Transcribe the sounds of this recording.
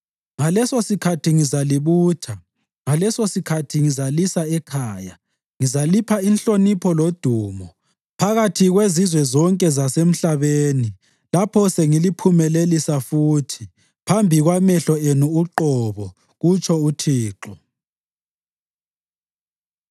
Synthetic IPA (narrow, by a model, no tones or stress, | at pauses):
ŋalɛsosikʰatʰiŋizaliβuːtʰa | ŋalɛsosikʰatʰiŋizalisaɛkʰaːja̰ | ŋizalipʰainɬonipʰɔlod̥ʱuːmɔ | pʰaɣatʰiɣwezizwɛzɔŋkʼɛzasem̩ɬaβeːni | lapʰɔseŋilipʰumɛlelisafuːtʰi̥ | pʰambʱiɣwamɛɬɔenuːǃɔβɔ | ɣut͡ʃʼʰɔutʰiːǃɔ